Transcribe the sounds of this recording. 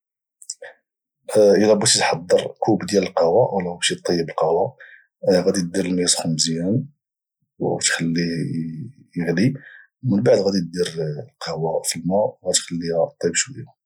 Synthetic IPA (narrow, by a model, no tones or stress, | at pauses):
ʔəlæbæt̪it̪ħɑd̪ˤːəɾˤkubd̪jæləlqɑwæwlæbæʃit̪ˤːɑjːəbəlqɑwæ | ɣæd̪id̪iɾəlmjæsxəmsjæn | wt̪xəlːi | jəɣli | mənbaʕd̪ɣæd̪it̪̚d̪iɾlqɑwæfilmæwɣæxəlːihæt̪ˤːibʃwəjæ